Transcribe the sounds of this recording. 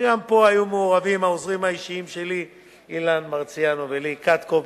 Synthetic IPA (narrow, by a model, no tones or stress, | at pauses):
ɡampo̞ajumeoʁavimaozʁimhaiʃiimʃe̞li | ilanmaʁt͡sijanovelikat̪ko